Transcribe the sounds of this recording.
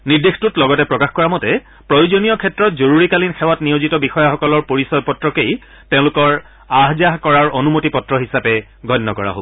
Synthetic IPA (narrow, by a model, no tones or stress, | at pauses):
niɹdextutlɔɡɔtɛpɹɔkaxkɔɹamɔtɛ | pɹojozonijɔkʰɛtɹɔtzoɹuɹikalinxɛwatnijozitɔbixɔjaxɔkɔlɔɹpoɹisɔb̚pɔtɹɔkej | tẽʊ̃lʊkɔɹ | aɦzaɦkɔɹaɹonumotipɔtɹɔɦisapɛ | ɡʱɔnːɔkɔɹa̰ɦo̰bɔ